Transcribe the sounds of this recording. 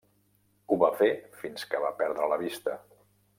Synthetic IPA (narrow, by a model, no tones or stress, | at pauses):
uβafefinskəβapɛɾðɾələβist̪ə